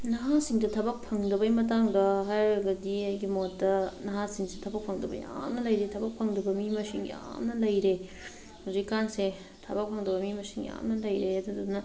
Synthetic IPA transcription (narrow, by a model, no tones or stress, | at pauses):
nɐɦasiŋdɐtʰɐbɐk̚pʰɐŋdɐbɐjmɐt̬aŋdɐɦajɐɡɐdiɐjɡimotːɐnɐɦasiŋsetʰɐbɐk̚pʰɐŋdɐbɐ̰ja̰mnɐlɐjɾetʰɐbɐk̚pʰɐŋdɐbɐmimɐsiŋja̰mnɐlɐjɾe | hozikikanse | tʰɐbɐk̚pʰɐŋdɐbɐmimɐsiŋja̰mnɐlɐjɾeadɐdudunɐ